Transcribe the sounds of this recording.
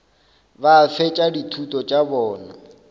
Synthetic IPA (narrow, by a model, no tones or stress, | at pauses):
bafɛt͡ʃʼaditʰutʼɔt͡ʃʼabɔːna